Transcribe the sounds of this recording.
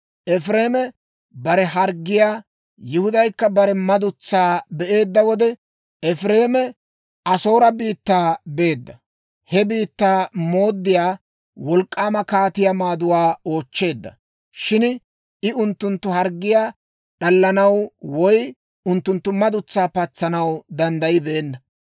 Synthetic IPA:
ʔɛfɾeːmɛ | bɐɾɛɦɐɾɡːɪjaː | jɪhʊd̪ɐjkːɐbɐɾɛmɐd̪ʊt͡sːaːbɛʔe̞ːd̪ːɐwɔd̪ɛ | ɛfɾe̞ːmɛ | ʔɐso̞ːɾɐbiːt̪ːaːbe̞ːd̪ːɐ | hɛbiːt̪ːaːmo̞ːd̪ːɪjaː | wɔlkʼːaːmɐkaːt̪ɪjamaːd̪ʊwaːo̞ːt͡ʃːe̞ːd̪ːɐ̰ | ʃɪn | ʔɪʊnt̪ːʊnt̪ːʊɦɐɾɡːɪjaː | ɗɐlːɐnɐwwɔj | ʊnt̪ːʊnt̪ːʊmɐd̪ʊt͡sːaːpɐt͡sːɐnɐwd̪ɐnd̪ɐjɪbɛːnːɐ

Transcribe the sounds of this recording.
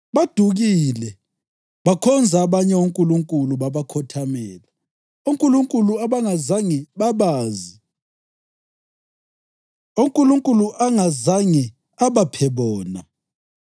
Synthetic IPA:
ɓad̥ʱuɣilɛ | ɓakʰɔnd͡zʱaːɓaɲɛwoŋkʼuluŋkʼuluɓaβakʰɔtʰamɛːla | oŋkʼuluŋkʼuluaβaŋazaŋɛɓaɓaːzi | oŋkʼuluŋkʼuluʔaŋazaŋɛ | aɓapʰɛɓɔːna̰

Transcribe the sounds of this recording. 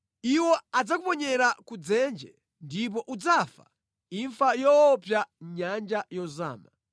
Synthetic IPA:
iwɔad͡zakupɔɲɛɾakud͡zɛnd͡ʒɛ | ndip̬ɔʔud͡zafa̰ | iɱfajɔːpjaɲand͡ʒajɔza̰ːma

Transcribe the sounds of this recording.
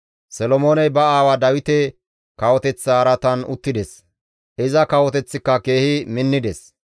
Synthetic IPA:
sɛlɔmoːnɛjbɐaːwɐd̪ɐwɪt̪ɛ | kɐwɔt̪ɛt͡sːaːɾɐt̪ɐnʊ̰t̪ːɪd̪ɛs | ʔɪzɐkɐwɔt̪ɛt͡sːɪkːɐke̞ːhɪmɪnːɪd̪ɛs

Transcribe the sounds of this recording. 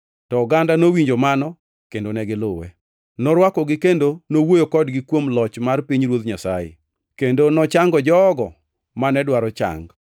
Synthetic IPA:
tɔɡandanowiɲd͡ʒomanɔ | kendonɛɡɪlʊwɛ̰ | nɔɾwakɔɡɪkendonowojokɔdɡɪkwomlɔt͡ʃmarpiɲɾwot̪ɲasa̰jḛ | kendonɔt͡ʃaŋɡɔd͡ʒɔːɡɔ | manɛdwaɾɔt͡ʃa̰ŋɡ

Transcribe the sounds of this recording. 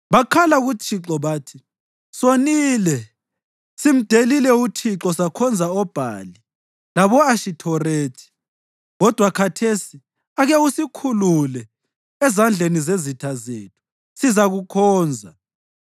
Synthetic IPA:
βakʰalaɣut͡ʃʰiǁɔβaːtʰi | soniːlɛ | sim̩d̥ʱelilɛut͡ʃʰiǁɔsakʰɔnd͡zʱaɔb̥ʱa̰ːli | laβɔaʃitʰɔreːtʰi̥ | ɣɔd̥ʱwakʰatʰesi | aɣɛusikʰululɛ | ɛzand͡ɮʱenizezitʰazeːtʰu̥ | sizaɣukʰɔːnd͡zʱa

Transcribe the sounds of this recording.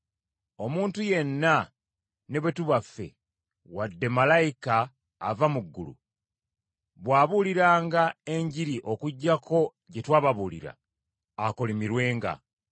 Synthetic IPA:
o̞muːntuje̞nːa | ne̞βwe̞tuβafːe̞̰ | wadːe̞malaika̰ː | vamuɡːṵlṵ | βwaːβuːliɾaːŋɡae̞ɲɟiɾiʔo̞kuɟːakʰo̞ | ɟe̞twaːβaβuːlḭɾa̰ː | ko̞limiɾwe̞ːŋɡa̰

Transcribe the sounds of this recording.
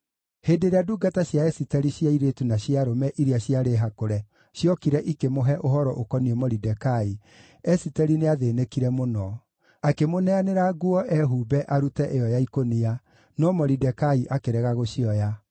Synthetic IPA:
heːdeɾeaduːɡataɕjaɛsitɛɾiɕjaiɾetunaɕjaɾomɛʔiɾeaɕjaɾeɦakoɾɛ | ɕjɔkiɾɛʔikemoɦɛʔoɦɔɾɔʔokɔniemɔɾidɛkai | ɛsitɛɾineaðenekiɾɛmonɔ | akemonɛaneɾaɡuɔʔɛɦuːbɛʔaɾutɛʔejɔjaikonia | nɔmɔɾidɛkaiʔakeɾɛɣaɣoɕiɔja

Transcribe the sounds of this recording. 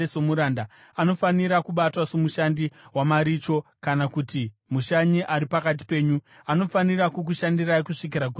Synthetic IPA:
esomuɾaːnda | ano̞faniɾakuɓatwasomuʃandiwamaɾiːt͡ʃo̞kanakuti | muʃaɲiʔaɾipakat̬i̥pe̞ːɲu | ano̞faniɾakuk̬uʃandiraikuʂik̬iɾak̬ur

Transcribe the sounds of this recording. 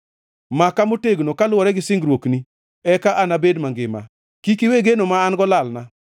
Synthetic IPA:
makamoteɡnokalwɔɾɛɡɪsɪŋɡɾwokni | ɛkaʔanabedmaŋɡɪ̰ma̰ | kikiweɡenomaːnɡɔlalna

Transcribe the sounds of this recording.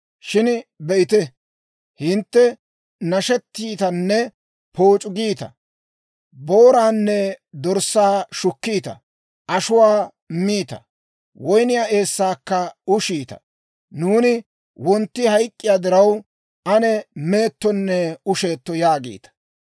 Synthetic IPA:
ʃɪnbɛʔɪt̪ɛ | hɪnt̪ːɛ | nɐʃɛt̪ːiːt̪ɐnːɛ | po̞ːt͡ʃʼʊɡiːt̪ɐ̰ | boːɾaːnːɛd̪ɔɾsːaːʃʊkːiːt̪ɐ̰ | ʔɐʃʊwaː | miːt̪ɐ̰ | wɔjnɪjaːʔe̞ːsːaːkːɐʊʃiːt̪ɐ̥̰ | nuːnɪ | wɔnt̪ːɪhɐjkʼːɪjaːd̪ɪɾɐw | ʔɐnɛme̞ːt̪ːɔnːɛʊʃe̞ːt̪ːɔjaːɡḭːt̪ɐ̥

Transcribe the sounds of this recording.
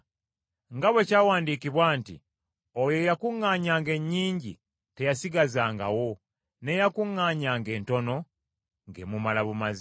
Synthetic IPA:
ŋɡaβwe̞caːwaːndiːkiβwaːntḭ | ojo̞jakuŋːaːɲaːŋɡe̞ɲːiːɲɟḭ | te̞jasiɡazaːŋɡa̰wo̞ | ne̞jakuŋːaːɲaːŋɡe̞ːnto̞no̞ | ŋɡe̞mumalaβumazi

